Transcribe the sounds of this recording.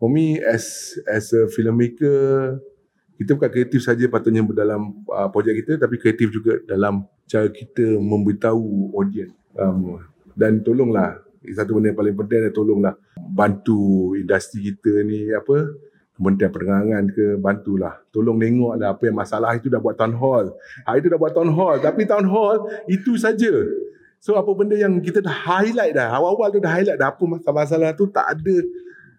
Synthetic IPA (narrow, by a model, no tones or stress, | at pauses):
fɔmiɛsɛsəfiləmekə | kit̪əbukankɾiat̪ifsad͡ʒapat̪ʊʔɲadalaməpɾod͡ʒɛk̚kːit̪ət̪apikɾiat̪ifd͡ʒuɡadalam | t͡ʃaɾakit̪əmə̃mbəɾit̪auodiən | ʔam | dant̪olʊŋlah | sat̪ubəndəapalɪŋp̬ənt̪iaŋdant̪olʊŋlah | bant̪uindast̪ɾikit̪əniapə | kəmənt̪ianpənəŋaŋankəbant̪ula̰ht̪olʊŋneŋɔʔlanapəjaŋmasalahit̪udahbuwat̪ːanɦɔlhaʔit̪̬udahbuat̪ːanɦɔlt̪apit̪aunɦɔlit̪usad͡ʒə | soapəbəndəjaŋk̬it̪ədahhajlaj̚lahawawalt̪udaɦajlaʔdaapəmasamas̬alaht̪ut̪a̰ʔa̰də